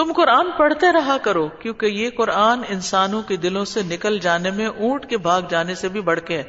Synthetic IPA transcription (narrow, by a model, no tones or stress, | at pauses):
t̪ʊmqʊɾaːnpɐɽ̤t̪eɾɐɦakɐɾoːkjõːkejekʊɾaːnɪnsaːnõked̪ɪlõsenɪkəld͡ʒaːnemẽʔũːʈkebʱaːɡd͡ʒaːnesebʱibɐɽ̤keɦɛː